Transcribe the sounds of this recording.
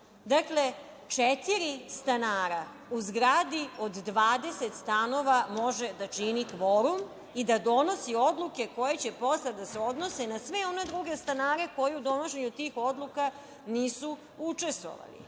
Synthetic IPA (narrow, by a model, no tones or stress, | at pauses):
d̪akle̞ | t͡ʃet̪iɾist̪anaːɾa | uzɡɾaːd̪io̞d̪ːʋaːd̪e̞set̪st̪ano̞ʋamo̞ʒe̞d̪at͡ʃinikʋo̞ɾum | id̪ad̪o̞no̞sio̞d̪luke̞ko̞jet͡ɕe̞po̞slad̪aseo̞d̪no̞senasʋeo̞ne̞d̪ɾuɡe̞st̪anaːɾe̞ko̞jeud̪o̞no̞ʃe̞ɲut̪iːxo̞d̪lˠuka | niːsu | ut͡ʂe̞st̪ʋo̰ʋa̰lḭ